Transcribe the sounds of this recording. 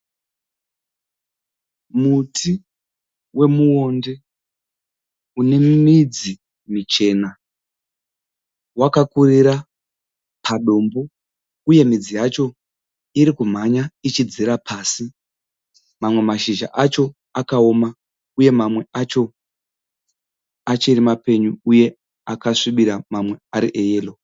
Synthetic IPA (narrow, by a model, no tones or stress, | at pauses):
mutʰi | we̞muwo̞nde̞ | une̞mid͡zi | mit͡ʃe̞ːna | wakakuriɾa | pʰaɗo̞mbo̞ | uje̞mid͡zijat͡ʃo̞ | iɾikum̤aɲait͡ʃid͡ziɾapʰasi | mamwe̞maʃiʒa̰ʔat͡ʃo̞ | akao̞ma | uje̞mamwe̞ʔat͡ʃo̞ | at͡ʃoiɾimape̞ɲuuje̞ | akaʂiɓiɾamamwe̞aɾiʔejeːlo